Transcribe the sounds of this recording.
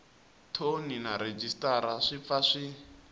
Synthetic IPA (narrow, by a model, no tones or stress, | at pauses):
tʰoninaɾed͡ʒistʼaɾaʂip̪faʂi